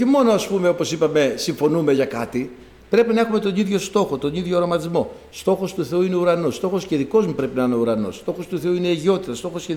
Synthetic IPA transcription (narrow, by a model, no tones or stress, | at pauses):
çemo̞noɐspumeo̞po̞sipɐme̞siɱfo̞nume̞ʝɐkɐt̪i | pɾe̞pinɐe̞xume̞t̪o̞niðʝo̞st̪o̞xo̞t̪o̞niðʝo̞ːɾomɐt̪izmo̞ | st̪o̞xo̞st̪uθe̞uine̞uɾɐno̞st̪o̞xo̞sceðiko̞zmupɾe̞pinɐineuɾɐno̞̰st̪o̞xo̞st̪uθe̞uineiʝio̞t̪it̪ɐst̪o̞xo̞sce